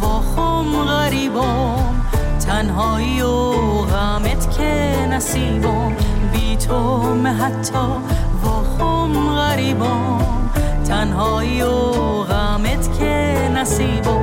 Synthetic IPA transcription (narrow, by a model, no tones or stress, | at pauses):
vɔxo | mɣæɾiːbo | m | t̪ʰanɦɔːio | ɣamet̪ʰkʰe | næsiːbo | mbiːt̪ʰo | meɦat̪ʰːɔ | vɔːxo | m | ɣæɾiːbɔ | m | t̪ʰænɦɔːio | ɣamet̪kʰe | næsiːbo